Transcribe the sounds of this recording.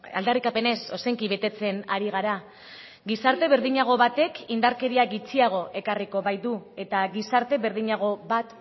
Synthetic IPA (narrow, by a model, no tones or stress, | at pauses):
a̰ld̪arikape̞ne̞so̞seŋkiβe̞t̪e̞t͡se̞naɾiɣ̞aɾa | ɡisaɾt̪e̞βe̞ɾðiɲaɣ̞o̞βat̪e̞kind̪aɾke̞ɾiaɣit͡siaɣ̞o̞ʔe̞kariko̞βajd̪ue̞t̪aɣisaɾt̪e̞βe̞ɾðiɲaɣ̞o̞βat̪